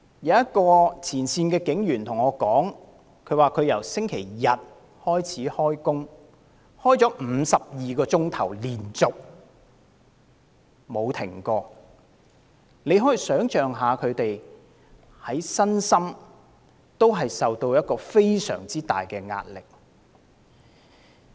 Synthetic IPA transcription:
jɐ˨˧wjɐ˥t̚kɔː˧t͡sʰiː˨˩nsiː˧nkɛː˧kɪ˨˥ŋjyː˨˩nt̪ʰʊ˨˩ŋɔː˨˧kɔː˨˥ŋ | kʰɵ˨˧ɥwaː˨kʰɵ˨˧ɥjɐ˨˩wsɪ˥ŋkʰe˨˩jjɐ˨t̚ | hɔː˥jt͡sʰiː˨˥hɔː˥jkʊ˥ŋ | hɔː˥jt͡sɔː˨˥m̩ː˨˧sɐ˨p̚jiː˨kɔː˧t͡sʊ˥ŋt̪ʰɐ˨˩wliː˨˩nt͡sʊ˨k̚ | mo˨˧wt̪ʰɪ˨˩ŋkɔː˧ | ne˨˧jɦɔː˨˥ji˨˩sœː˨˥ŋt͡ʃœː˨˩ŋɦaː˨kʰɵ˨˧ɥt̪e˨j | hɐ˨˥jsɐ˥nsɐ˥m | t̪o˥wɦɐ˨jsɐ˨wt̪o˧wjɐ˥t̚kɔː˧fe˥jsœ̰ː˨˩ŋt͡siː˥t̪a̰ː˨jkɛː˧ŋa̰ː˧t̚lɪ˨k̚

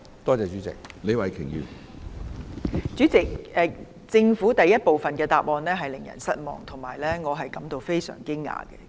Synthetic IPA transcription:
t̪ɔː˥t͡sɛː˨t͡ʃyː˨˥t͡sɪ̰˨k̚le˨˧jwɐ˨˩jkʰɪ˨˩ŋjy̰ː˨˧ | t͡ʃyː˨˥t͡sɪ˨k̚ʔɛː˨˧ | t͡sɪ˧ŋfuː˨˥t̪ɐ˨jːɐ˥t̚po˨wfɐ˨nkɛː˧t̪aː˨p̚ʔɔː˨˧nlɛː˥ɦɐ˨jlɪ˨˩ŋjɐ̰˨˩nsɐ˥t̚mɔ̰ː˨ŋt̪ʰʊ˨˩ŋmaː˨˩jlɛː˥ŋɔː˨˧ɦɐ˨jkɐ˨˥mt̪o˧wfe˥jsœ̰ː˨˩ŋkɪ˥ŋːa̰ː˨kɛ̰ː˧

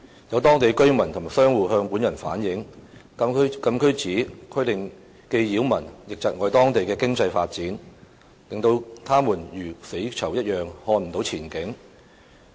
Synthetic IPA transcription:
jɐ˨˧wt̪ɔː˥ŋt̪e˨jkɵ˥ɥmɐ˨˩nt̪ʰʊ˨˩mː˨˩sœː˥ŋwuː˨˧ɦœː˧ŋpuː˨˥njɐ˨˩nfa̰ː˨˥njɪ˨˥ŋ | ɐ˥kɐ˥˧mkʰɵ˥ɥt͡siː˨˥kʰɵ˥t̪ɪ˨ŋ | ke˧jjiː˨˥wmɐ˨˩njɪ˨k̚t͡sɐ˨t̚ŋɔː˨˧jt̪ɔː˥ŋt̪e˨jkɛː˧kɪ˥ŋt͡sɐ˧jfaː˧t̚t͡siː˨˥n | lɪ˨˩ŋt̪o˧wt̪ʰaː˥muː˨˩njyː˨˩se˨˥jt͡sʰɐ˨˩wjɐ˥t̚jœː˨˩ŋhɔː˧nm̩˨˩t̪o˨˥wt͡sʰiː˨˩nkɪ˨˥ŋ

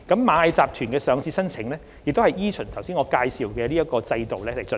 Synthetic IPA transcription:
kɐ˨˥mːaː˨˧ɐ˧jt͡saː˨p̚t̪ʰyː˨˩nkɛː˧sœː˨˧ŋsiː˧sɐ˥nt͡sʰɪ˨˥ŋlɛː˥ | jɪ˨k̚t̪o˥hɐ˨jjiː˥t͡ʃʰɵ˨˩nt̪ʰɐ˨˩wsi˥nŋɔː˨˧kaː˧jsiː˨˩wkɛː˧liː˥jɐ˥t̚kɔː˧t͡sɐ˧jt̪o˨wlɛː˥le˨˩jt͡sɵ˨

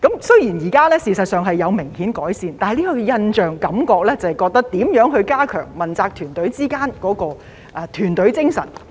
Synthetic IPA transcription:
kɐ˨˥msɵ˥ɥjiː˨˩njiː˨˩kaː˥lɛː˥siː˨sɐ˨t̚sœː˨˧ŋɦɐ˨jːɐ˨˧wmɪ˨˩ŋhiː˨˥nkɔː˨˥jsiː˨nt̪aː˨ɐ˨jliː˥kɔː˧ɛ˧jɐ˧nt͡ʃœː˨ŋkɐ˨˥mkɔː˧k̚lɛː˥t͡sɐ˨jkɔː˧k̚t̪ɐ˥k̚t̪iː˨˥mjœː˨˥ŋɦɵ˧ɥkaː˥kʰœ̰ː˨˩ŋmɐ˨nt͡saː˧k̚t̪ʰyː˨˩nt̪ɵ˨˥ɥt͡siː˥kaː˥nkɔː˨˥kɔː˧ | ʔɛ˧t̪ʰyː˨˩nt̪ɵ˨˥ɥt͡sɪ˥ŋsɐ̰˨˩n

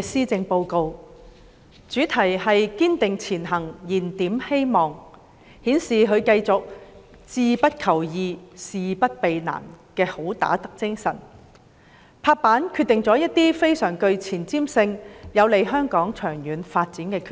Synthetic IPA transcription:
siː˥t͡sɪ˧ŋpo˧wko˧w | t͡ʃyː˨˥t̪ʰɐ˨˩jhɐ˨jkiː˥nt̪ɪ˨ŋt͡sʰiː˨˩nɦɐ˨˩ŋjiː˨˩nt̪iː˨˥mhe˥jmɔː˨ŋ | hiː˨˥nsiː˨ɦɵ˨˧ɥkɐ˧jt͡sʊ˨k̚ | t͡siː˧pɐ˥t̚kʰɐ˨˩wjiː˧siː˨pɐ˥t̚pe˨jna̰ː˨˩nkɛː˧ho˨˥wt̪a̰ː˨˥t̪ɐ˥k̚t͡sɪ˥ŋsɐ̰˨˩n | pʰaː˧k̚paː˨˥nkʰyː˧t̪ːɪ˨ŋt͡sɔː˨˥jɐ˥t̚t̪iː˥fe˥jsœː˨˩ŋkɵ˧ɥt͡sʰiː˨˩nt͡siː˥msɪ˧ŋjɐ˨˧wle˨˧jɦœː˥ŋkɔː˨˥ŋt͡ʃʰœː˨˩ŋjyː˨˧nfaː˧t̚t͡siː˨˥nkɛː˧kʰː

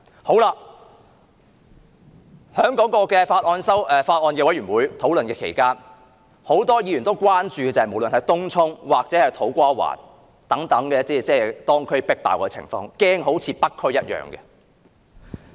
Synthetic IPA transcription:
ho˨˥wlaː˧ | hœː˨˥ŋkɔː˨˥kɔː˧kɛː˧faː˧t̚ʔɔː˧nsɐ˥wʔɛ˨˧faː˧t̚ʔɔː˧nkɛː˧wɐ˨˥jɥyː˨˩nwuː˨˥jt̪ʰo˨˥wlɵ˨nkɛː˧kʰḛ˨˩jkaː˥n | ho˨˥wt̪ɔː˥jiː˨˧jyː˨˩nt̪o˥wkʷaː˥nt͡ʃyː˨kɛ˧t͡sɐ˨hɐ˨jm˨˩wlə˨nhɐ˨˥t̪ʊ˥ŋt͡sʰʊ˥ŋwaː˨k̚t͡sɛː˨˥hɐ˨jt̪ʰo˨˥wkʷaː˥wa̰ː˨˩n | t̪ɐ˨˥ŋt̪ɐ˨˥ŋkɛː˧t͡siː˥t͡sɛː˥t̪ɔː˥ŋkʰɵ˥pɪ˥k̚t̪a̰ː˨wkɔː˧˥t͡sʰɪ̰˨˩ŋfɔ̰ː˧ŋkɛː˥ŋɦo˨˥wt͡sʰiː˨˧˥pɐ˥t̚kʰːɵ˥ɥjɐ˥t̚jœ̰ː˨ŋkɛ̰˧

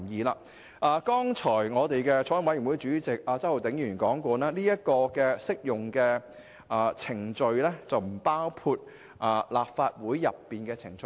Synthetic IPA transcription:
jiː˨˧laː˧ | ʔaː˨˧kɔː˥ŋt͡ʃʰɔː˨˩jŋɔː˨˧t̪e˨jkɛː˧t͡ʃʰɔː˨˥jŋwɐ˥jy˨˩nwu˨˥jt͡ʃyː˨˥t͡sɪ˨k̚ʔaː˧t͡sɐ˥who˨wt̪ɪ˨˥ŋjyː˨˩nkɔː˨˥ŋkɔː˧naː˥liː˥jɐ˥t̚kɔː˧kɛː˧sɪ˥k̚jʊ˨ŋkɛː˧ | ʔaː˨t͡sʰɪ˨˩ŋt͡ʃɵ˧ɥlɛ˥t͡sɐ˨wm̩˨˩paː˥wkʰuː˧t̚ | ʔaː˨laː˨p̚faː˧t̚wuː˨˥jːɐ˨pːiː˨nkɛː˧t͡sʰɪ˨˩ŋt͡ʃ

